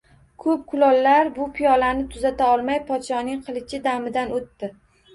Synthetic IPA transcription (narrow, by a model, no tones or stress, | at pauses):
kʰɵp̚kʰʊlɒlːaɾbʊpʰijɒlanɪt̪ʰʊzat̪ʰaɒlˠmajpʰɒt̪ʃɒnɪŋqʰɨlˠɪt͡ʃʰɪd̪amɪd̪anot̪ːɪ